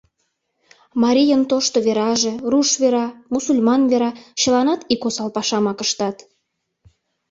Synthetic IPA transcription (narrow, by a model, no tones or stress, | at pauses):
mɑɾʲijənt̪oʃt̪oβeɾɑʒe̽ruʃβeɾɑmusulʲmɑnβeɾɑt͡ɕə̆lɑnɑt̪ikosɑlpɑʃɑmɑkəʃt̪ɑt̪